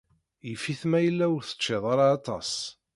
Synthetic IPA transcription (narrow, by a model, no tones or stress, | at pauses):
jəfːiθmæjəlːæəɾθə̥t͡ʃːeðˤɑɾˤɑːt̪ˤɑ̰s